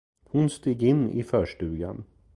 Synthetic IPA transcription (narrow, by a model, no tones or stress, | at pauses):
hʊnst̪iːɡɪnːɪ̰fœːʂʈʉ̟ːɡa̰n